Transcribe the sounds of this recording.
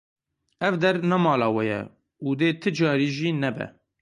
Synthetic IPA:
ɛvd̪ɛɾnɛmɑːlɑːwɛjɛ̰ | uːd̪eːt̪ʰɨd͡ʒɑːɾiːʒiːnɛbɛ̰

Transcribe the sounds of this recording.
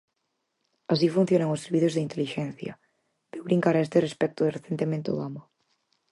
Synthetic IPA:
as̬ifũn̟θjonaŋʊsːeɾβiθozðeint̪eliʃɛnθjɐ̰ | ð̥ewβɾiŋkaɾaest̪erespɛk̚t̪oðɪreθent̪emẽnt̪o̰ðamɐ

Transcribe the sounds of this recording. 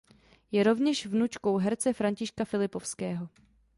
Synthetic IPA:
jɛɾo̞vɲɛʃvnut͡ʃko̞wɦɛɾt͡sɛfɾaɲcɪʃkafɪlɪpofskɛːɦo̞

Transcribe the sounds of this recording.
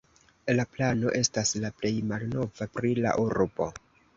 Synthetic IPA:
laplano̞ʔe̞staslaple̞jmalno̞vapɾila̰ʔuɾbo̞̰

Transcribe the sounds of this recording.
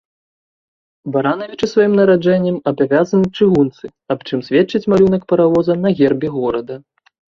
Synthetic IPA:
baɾanɐvʲit͡ʂɨsvajimnɐɾad͡ʐɛnʲːɛmɐbavʲazɐnɨt͡ʂɨɣunt̪sɨ | ɐpt͡ʂɨmsʲvʲɛt͡ʂːɨt͡sʲmalʲunɐkpɐɾavɔzɐnɐɣʲɛrbʲiɣɔɾɐd̪ɐ

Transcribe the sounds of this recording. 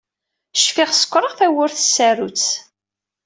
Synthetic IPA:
ʃfɪʁsə̥kʷːɾˤəʁθæwʊɾθəsːæɾut͡s

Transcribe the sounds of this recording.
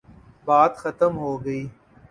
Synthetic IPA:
baːd̪xɐt̪əmɦoːɡɐiː

